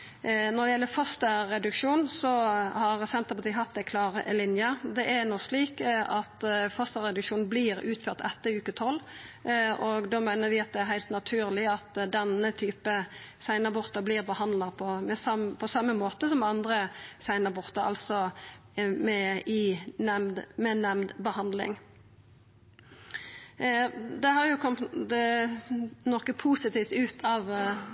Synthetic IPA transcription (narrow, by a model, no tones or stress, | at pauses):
nɔɾd̪ɛjɛlːəfɔst̪əɾɛd̪ʉkʂuːnsɔhɑʁsɛnt̪əɾpɑt̪iːɦɑt̪̚d̪ɛkʰlɑːʁəʔəlɪnjəd̪ɛʔæɾnɔsliːkɑt̪fɔst̪əɾɛd̪ʉkʂuːn̩blɪɾʉːt̪føːɾt̪ɛt̪ːəʉːkət̪ʰɔlː | ʔɔɡd̪oːmæɪnəɾʋɪɑt̪̚d̪ɛæɾɦæɪlt̪nɑt̪ʰʉːɾlɪɑt̪d̪ɛnət̪ʰyːpəsæɪnɑbɔʁt̪əbliːʁbəhɑnd̪lɑpʰɔmɛsɑpʰɔsɑmːəmoːt̪əsɔmɑnd̪ɾəsæɪnɑbɔʁt̪əɾɑ̰lsɔ | mɛɪnɛmd̪mɛnɛmd̪bəhɑnd̪lɪ̰ŋ | d̪ɛhɑɾjʊkʰɔm | nɔkːəpʰuːsɪt̪iːft̪ʉːt̪ʰɑːʋ